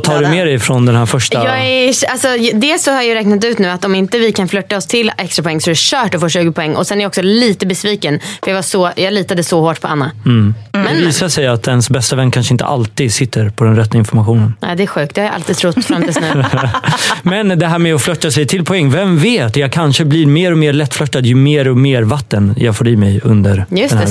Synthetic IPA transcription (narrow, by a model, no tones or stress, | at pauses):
t̪ʰɑːɾmeːɾɛjfɾɔnd̪ɛnɦæːɾfœʂajɑːæalsɔd̪ɛsɔhajjɵɾɛːk̚nat̪ʉ̟ːt̪nʉ̟ːat̪ɔmɪnt̪əvɪkʰanflœt̪ːaɔst̪ʰɪlːɛkst̪ɾapʰɔɛŋːsɔɾæɕœːʈɔfoːʂʉ̟ːɡəpʰɔɛŋːʔɔ̰sɛnæɾjɔksɔliːt̪əbɛsviːkənfœɾjaːvasɔjɑːɡliːt̪ad̪əsɔhoːʈpʰɔa̰nːamɛɛviːsaʂɛjat̪ɛnsbɛst̪avɛnːkʰanʂəɪnt̪ʰə̰ʔa̰lt̪iːd̪sɪt̪ʰːəɾpʰɔd̪ɛnɾɛt̪ːaɪnfɔɾmaɧuːnəna̰ːd̪ɛæɾɧʉ̟ːk̚t̪̚d̪ɛhaɾjaʔa̰lt̪iːd̪t̪ʰɾʊt̪ːfɾamt̪ilsnʉː | mɛnd̪ɛɦæːɾmɛɔflœt̪ːasɛjt̪ʰɪlpʰɔɛŋːvɛmveːt̪jɑːkʰanʂəblɪɾmeːɾɔmeːɾlɛt̪ːflœt̪ːad̪jɵmeːɾɔmeːɾvat̪ːənjɑɡfoːɾiːmɛjɵnd̪əɾjɵɛnː